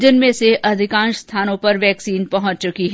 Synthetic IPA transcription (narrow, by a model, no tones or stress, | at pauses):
d͡ʒənmẽseʔɐd̪ʱɪkãːnʃst̪ʰaːnõpɐɾʋɛːksiːnpɐɦʊ̃t͡ʃt͡ʃʊkiɦ